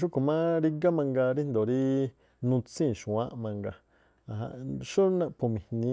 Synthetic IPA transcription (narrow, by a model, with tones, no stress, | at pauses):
ʃ̬u˦ku˨mã˦ɾi˧ɡa˦mã˧ŋɡa˧ɾi˦n˧d̪o˨ɾi˦ | nũ˧t͡sĩ˦˨ʃũ˨ã̰˦ʔmã˧ŋɡa˧ | a˨ɦã̰˧ʔʃo˦nã˦˧pu˨mĩ˨˧nĩ˧˦